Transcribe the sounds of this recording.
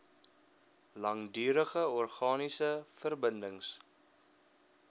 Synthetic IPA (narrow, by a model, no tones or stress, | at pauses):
lɐŋdyːɾəχəɔrχɑːnisəfərbəndəŋs